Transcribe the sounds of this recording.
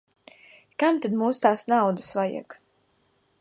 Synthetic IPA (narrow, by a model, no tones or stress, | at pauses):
kamt̪ad̪muːst̪aːsnawd̪asvajḭk